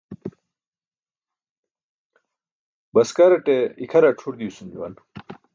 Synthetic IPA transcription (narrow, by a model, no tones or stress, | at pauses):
bɐskɐɾɐʈeikʰɐɾaʈ͡ʂʰuɾd̪iusund͡ʑuwɐ̰n